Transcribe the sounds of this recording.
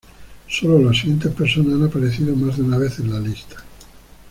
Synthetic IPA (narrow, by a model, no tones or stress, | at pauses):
sololas̬iɣjent̪espeɾsonasanapaɾeθiðomazd̪eunaβeθenlalist̪ḁ